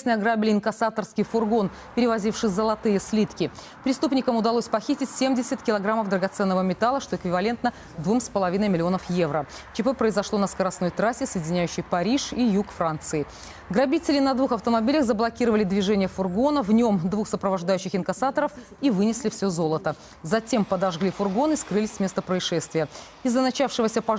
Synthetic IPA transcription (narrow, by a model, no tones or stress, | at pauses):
snɨjɐɡɾabʲlʲɪɪnkɐsat̪ərskʲɪjfʊrɡo̞n | pʲɪɾʲɪvɐzʲifʂɨzəlˠɐt̪ɨjəsʲlʲit̪kʲɪ | pɾʲɪst̪upnʲɪkəmʊd̪ɐlˠosʲpɐxʲitʲɪtʲsʲemdʲɪsʲɪt̪̚kʲɪlˠɐɡɾaməvd̪ɾəɡɐt̪sɛnːəvəmʲɪt̪alˠəʂt̪o̞ɪkvʲɪvɐlʲe̞nt̪nə | d̪vumspəlˠɐvʲinəjmʲɪlʲɪo̞nəfje̞vɾə | t͡ɕɪpɨpɾəɪzɐʂlˠo̞nəskəɾɐsnojt̪ɾasʲɪsəjɪdʲɪnʲæjʉɕːɪjpɐɾʲiʂijukfɾant̪sɨɪ | ɡɾɐbʲitʲɪlʲɪnɐd̪vuxɐft̪əmɐbʲilʲəxzəblˠɐkʲiɾəvəlʲɪd̪vʲɪʐɛnʲɪjəfʊrɡo̞nəvnʲo̞md̪vuxsəpɾəvɐʐd̪ajʉɕːɪxɪnkɐsat̪əɾəf | ivɨnʲɪsʲlʲɪfsʲozo̞lˠət̪ə | zɐtʲe̞mpəd̪ɐʐɡlʲifʊrɡo̞nɨskɾɨlʲɪsʲmʲe̞st̪əpɾəɪʂɛst̪vʲɪjə | ɪzːənɐt͡ɕafʂɨvəsʲəpɐ